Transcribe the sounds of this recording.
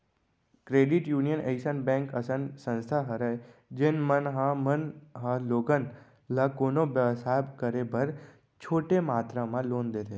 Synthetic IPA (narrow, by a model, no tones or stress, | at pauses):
kɾeːɖɪʈjuːnijənʔeɪsənbɛ̃ːŋkəsənsə̃nst̪ʰaɦəɾad͡ʒeːnmənɦãmənɦãloːɡən | lakoːnoʋəʋsabkəɾebəɾ | t͡ʃʰoːʈemaːt̪ɾamãloːnd̪eɾe